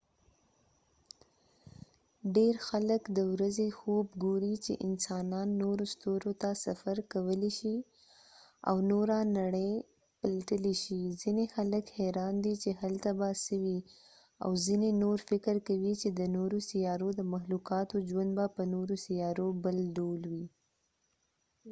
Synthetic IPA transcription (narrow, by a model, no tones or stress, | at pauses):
ɖeɾxaləkd̪əwɾazexobɡoɾit͡ʃḛʔɪnsɑnɑnːoɾost̪oɾot̪asafaɾkawəleʃi | a̰wnoɾanaɽəj | pəlat̪əleʃizinexaləkheɾɑnd̪it͡ʃehalt̪abasəwi | a̰wzinenoɾfɪkəɾkawit͡ʃed̪ənoɾosijɑɾod̪əmaxlukɑt̪od͡ʒwand̪̚bapənoɾosijɑɾobəlɖolwi